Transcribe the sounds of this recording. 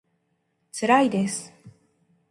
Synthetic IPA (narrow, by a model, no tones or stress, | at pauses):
t͡sɾajd̪es